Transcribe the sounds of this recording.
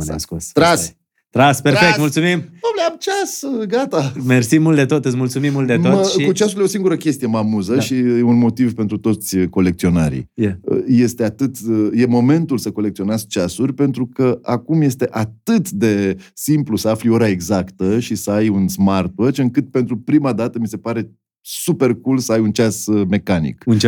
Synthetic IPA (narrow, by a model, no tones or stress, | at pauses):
na̰skost̪ɾas | t̪ɾaspeɾfek̪̚mult̪sumimobleamt͡ʃasɡat̪amersimːult̪̚d̪e̞t̪ot̪ɨt̪sʲmult̪sumimːult̪d̪eoəkut͡ʃasuljeo̞siŋɡuɾəkʲe̞st̪ije̞mamuzəʃiunmo̞t̪ivpent̪ɾut̪o̞t̪sʲko̞le̞k̚t̪sio̞naɾḭjə̰je̞st̪e̞at̪ɨt̪je̞mo̞me̞nt̪ulsəko̞lekt̪sio̞nezt͡ʃasurʲpe̞n̪t̪ɾukəakumje̞st̪e̞ʔat̪ɨt̪d̪e̞simplusəaflio̞ɾae̞ɡzakt̪əʃisəajunsmart̪wot͡ʃɨŋkɨt̪̚pe̞nt̪ɾupɾimad̪at̪əmise̞paɾe̞ | supe̞rkulsəajunt͡ʃasme̞kanḭkunt͡ʃ